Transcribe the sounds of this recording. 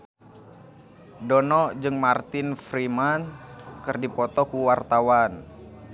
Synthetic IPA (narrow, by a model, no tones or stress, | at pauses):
dɔnɔd͡ʒɨŋmart̪ɪnfɾimankɨrdipɔt̪ɔkuwart̪awan